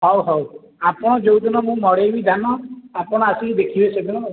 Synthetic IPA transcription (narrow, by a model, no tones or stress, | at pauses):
ɦɔwɦɔw | apɔɽ̃ɔd͡ʒowd̪inɔmũmɔɽebid̪ʱanɔapɔɽ̃ɔasikid̪ekʰibesed̪ʱinɔ